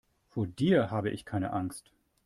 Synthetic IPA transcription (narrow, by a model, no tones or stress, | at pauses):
foːɐdiːɐhaːbəʔɪ̰çkʰaɪnə̰ʔaŋst